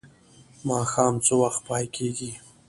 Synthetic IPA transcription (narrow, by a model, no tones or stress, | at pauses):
mɑxɑːmt͡sowaxt̪̚pɑjkʰeɡi